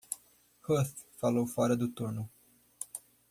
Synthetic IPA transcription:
hoθfalowfaɾɐd̪ʊt̪oɾnu

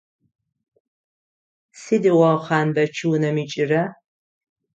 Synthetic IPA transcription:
sidiwɐχɑːnbɐt͡ʃʰɨwnɐmit͡ʃʼɪrɐ

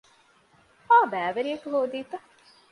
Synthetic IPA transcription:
aːbæːʋɐɾiɐkuɦoːd̪iːt̪ɐ

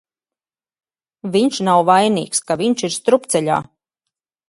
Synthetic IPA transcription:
viɲʃnawvajnḭːkskaviɲʃiɾst̪ɾupt̪sɛʎʲa̰ː

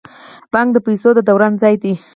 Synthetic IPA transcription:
b̥ɑŋɡ̚d̪əpajsod̪əd̪awɾanzɑjd̪i

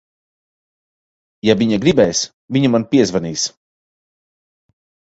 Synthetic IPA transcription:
javiɲaɡɾibɛjs | viɲumanpiɛzvaniːs

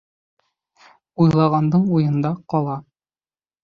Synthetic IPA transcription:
ujlˠɑʁɑnd̪ɤɴujɤ̆nd̪ɑqɒlˠɑ

